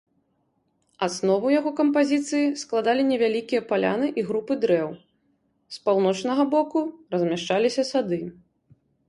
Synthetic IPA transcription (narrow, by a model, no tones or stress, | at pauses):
asnɔvɐwjaɣɔkɐmpazʲit̪sɨjisklˠad̪alʲinʲɛvʲalʲikʲijɐpalʲa̰nɨʔiɣɾupɨd̪ɾɛw | spawnɔt͡ʂnɐɣɐbɔkurɐzʲmʲaʂt͡ʂalʲisʲɐsad̪ɨ